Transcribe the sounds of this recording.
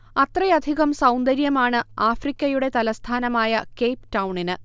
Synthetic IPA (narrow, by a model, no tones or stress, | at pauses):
ɐt̪rɐjɐd̪ʱiɣɐmsɐwnd̪ɐɾjɐmaːɳɨaːfrikʲːɐjuɽe̞t̪ɐlɐst̪ʰaːnɐmaːjɐkejpʈɐwɳinɨ